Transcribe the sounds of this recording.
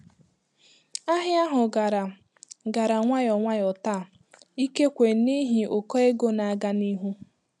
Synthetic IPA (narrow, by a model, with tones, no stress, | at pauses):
a˦ɦja˦ɦʊ˨ɡa˨ɾa˨ | ɡa˨ɾa˨ŋʷa˦jɔ˨ŋʷa˦jɔ˨ta˦˨ | i˦ke˦kʷe˨ni˦ɦi˨ʔʊ˨kɔ˦e˦ɡo˦na˨a˦ɡa˦ni˦ɦu˦